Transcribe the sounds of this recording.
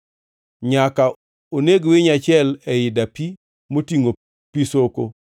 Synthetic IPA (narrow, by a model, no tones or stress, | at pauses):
ɲaka | oneɡwɪɲat͡ʃɪɛlɛjɪdapi | motiŋo | pisoko